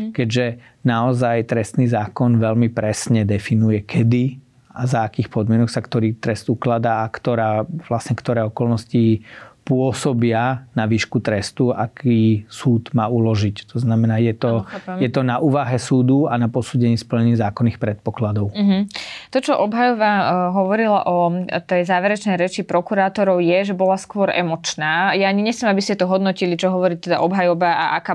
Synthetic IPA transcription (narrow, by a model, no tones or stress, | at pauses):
kɛɟʒɛ | naɔzajt̪ɾɛst̪niːzaːkɔnʋɛʎmipɾɛsɲɛd̪ɛfinujɛkʰɛd̪i | azaːkiːxpɔd̪mɪɛnɔksakt̪ɔɾiːt̪ɾɛst̪uklad̪aakt̪ɔɾaːʋlasɲɛkt̪ɔɾɛːɔkɔlnɔscipʊɔsɔbɪanaʋiːʃkut̪ɾɛst̪ua̰kiːsuːd̪maːulɔʒict̪ɔznamɛnaːjɛt̪ɔamjɛt̪ɔnaʔuːʋaɦɛsuːd̪uanapɔsuːɟɛɲispl̩ɲɛɲizaːkɔnːixpɾɛt̪̚pɔklad̪ɔʊɦ̩t̪ɔt͡ʃɔʔɔbɦajɔʋaɦɔʋɔɾila̰ʔɔt̪ɛjzaːʋɛɾɛt͡ʃnɛjɾɛt͡ʃipɾɔkuɾaːt̪ɔɾɔʊjɛʒɛbɔlaskʊɔɾʔɛmɔt͡ʃnaːjaːɲiɲɛxt͡sɛmabiscɛt̪ɔɦɔd̪nɔcilit͡ʃɔɦɔʋɔɾiːt̪ɛd̪aʔɔbɦajɔʋaaʔakaː